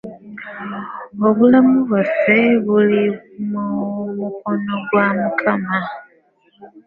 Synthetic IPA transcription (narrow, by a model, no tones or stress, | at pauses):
oβulamuβafeβulimumuko̞no̞ɡwamukʰama